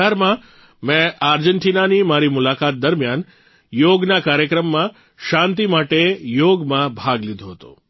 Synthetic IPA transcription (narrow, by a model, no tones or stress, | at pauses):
aɾmã | mɛ̃ʔaɾd͡ʒəɳʈinanimaɾimʊlakat̪̚d̪əɾmjan | joɡnakaɾjəkɾəmːã | ʃãnt̪imaʈejoɡmãbʱaɡlid̪ʱoɦət̪o̰